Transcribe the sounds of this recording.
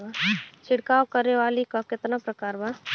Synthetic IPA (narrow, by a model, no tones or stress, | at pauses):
at͡ʃʰɪɽkaːwkəɾeʋaːlikakɪt̪napɾɐkaːɾba